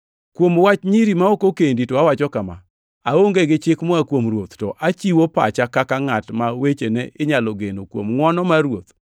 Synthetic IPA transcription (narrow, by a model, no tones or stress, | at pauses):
kwomwat͡ʃɲiɾimaokokenditɔawat͡ʃɔkama̰ | aoŋɡeɡɪt͡ʃɪkmɔakwomrwot̪tɔʔat͡ʃiwopa̰t͡ʃakakaŋatmawet͡ʃeneʔɪɲaloɡenokwo̰mŋwɔnɔmaɾwot̪